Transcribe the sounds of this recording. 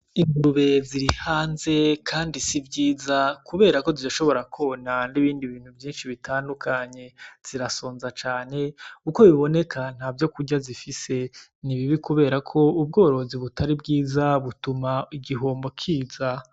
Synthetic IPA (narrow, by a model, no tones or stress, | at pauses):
iŋuuβe̞ziɾihaːnze̞kʰaːndisivɟiːzakuβe̞ːɾako̞zidaʃo̞βo̞ɾakʰonaniβiːndiβiːn̥huvjiːnʃiβitʰaːndukʰaɲe̞z̥iɾasoːnzat͡ʃaːne̞uko̞βiβo̞ne̞kʰan̥haːvjo̞kuɟazifise̞niβiβikuβe̞ːɾakʰo̞ub̚ɡo̞ːɾo̞ziβutʰaɾib̚ɡiːzaβutumaiɡiɦoːmbo̞kʰiːza